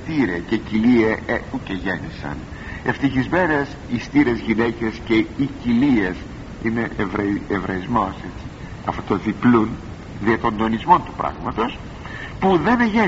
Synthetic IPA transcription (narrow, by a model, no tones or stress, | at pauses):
t̪iɾececilieeuceʝe̞nisɐ̰n | e̞ft̪içizme̞ne̞s | ist̪iɾe̞zʝine̞ce̞sce̞icilies | ine̞ʔvɾɐevɾɐizmo̞se̞t͡ssi̥ | ɐfot̪oðiplun | ðiɐt̪o̞nd̪o̞nizmo̞nt̪u̥pɾɐ̰ɣmɐt̪o̞s | puðe̞nʝe